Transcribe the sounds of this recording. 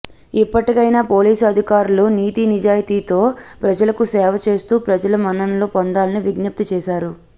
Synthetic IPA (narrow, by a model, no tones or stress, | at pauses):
ipːɐʈikɐjnaːpo̞ːliːsɐd̪ʱikaːɾuluniːt̪inid͡ʒaːjɐt̪iːt̪o̞ːpɾɐd͡ʒɐlɐkusɛːʋɐt͡ʃe̞ːst̪uːpɾɐd͡ʒɐlɐmɐnːɐnɐloːpɔnd̪aːlɐniʋiɡnɐp̚t̪ut͡ʃɛːʃaːɾu